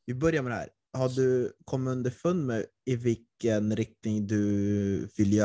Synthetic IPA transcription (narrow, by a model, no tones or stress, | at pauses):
vɪbœɾjamɛd̪ɛhæ̰ːɾ | haɖɵkʰɔmːɵnd̪əfɵnːmɛɪvɪlkːənɾɪk̚t̪nɪŋd̪ɵvɪlːjœː